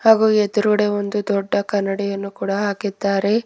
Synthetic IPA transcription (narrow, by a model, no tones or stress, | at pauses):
haːɡuːed̪uɾuɽe̞o̞nd̪ud̪ɔɖːɐkɐnːɐɽijɐnːukuːɽɐɦaːkid̪ːaːɾe̞